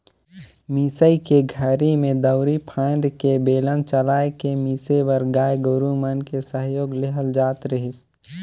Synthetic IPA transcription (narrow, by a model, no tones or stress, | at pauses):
miːsəikeɡʱəɾimẽd̪əʊɾipʰãːnd̪kebeːlənt͡ʃəlaːekemiːsebəɾɡaːjɡʊɾumənkesəɦjoːɡlɪɦəld͡ʒaːt̪ɾəɦɪs